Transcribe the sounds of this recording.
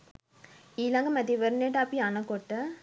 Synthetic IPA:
iːlaŋɡɐmɐd̪iʋəɾneʈaːpianɐkɔʈːɐ

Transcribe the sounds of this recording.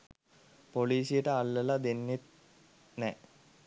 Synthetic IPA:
poliːsijəʈəalːəlad̪enːet̪̚ | nɛ

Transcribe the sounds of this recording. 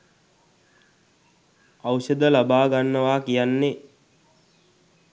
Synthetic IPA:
awsəd̪əlabaːɡanːəʋaːkijanːe

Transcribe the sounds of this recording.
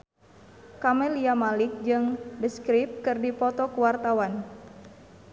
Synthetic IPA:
kamɛliamalik̚d͡ʒɨŋdəskɾip̚kɨrdipɔt̪ɔkuwart̪awan

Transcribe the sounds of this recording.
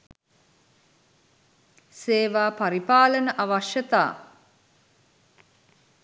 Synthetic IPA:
seːʋaːpaɾipaːlənəʔaʋaʃjət̪a̰ː

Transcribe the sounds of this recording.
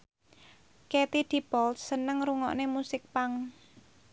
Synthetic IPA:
kɛt̪id̪̥i̤pɔlːənəŋɾuŋɔ̰ʔnemusɪk̚paŋ

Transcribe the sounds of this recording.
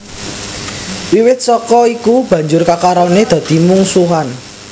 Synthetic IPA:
wiwɪt̪̚sɔkɔikub̥ä̤ɲd͡ʒʊrkakaɾɔned̪̥ä̤d̪̥i̤muŋsuɦan

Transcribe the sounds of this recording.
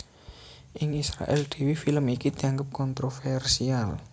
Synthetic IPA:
ʔɪŋisɾa̰ʔɛ̰ld̪̥e̤wifiləmikid̪̥i̤aŋɡəp̚kɔnt̪ɾofɛrsial

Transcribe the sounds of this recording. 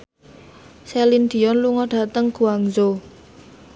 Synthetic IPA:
sɛlind̪̥i̤jɔnluŋɔɖ̥a̤t̪əŋɡ̥ṳaŋzo

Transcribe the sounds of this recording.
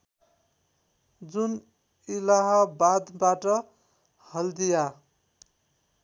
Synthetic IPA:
d͡zun | ilaɦʌbad̪baʈʌ | hʌld̪ija

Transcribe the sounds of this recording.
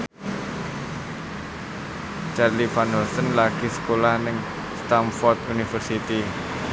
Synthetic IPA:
t͡ʃarlifanɦɔlsənlaɡ̥isə̥kolahnɪŋ | st̪amfɔrt̪unifərsit̪i

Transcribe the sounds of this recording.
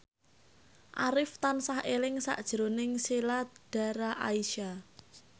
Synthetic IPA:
ʔaɾɪft̪ansahʔelɪŋsa̰ʔd̥ʒ̥ɾonɪŋsilad̥a̤ɾaʔaiʃa

